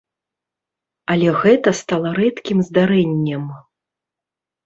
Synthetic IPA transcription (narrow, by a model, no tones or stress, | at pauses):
ɐlʲɛɣɛt̪ɐst̪alˠɐɾɛt̪kʲimzd̪aɾɛnʲːɛm